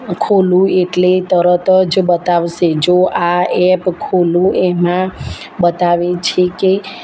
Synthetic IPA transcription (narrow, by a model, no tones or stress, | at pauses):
kʰolũeʈlet̪əɾət̪əd͡ʒbət̪aʋʃed͡ʒoʔaɛpkʰolũemã | bət̪aʋet͡ʃʰeke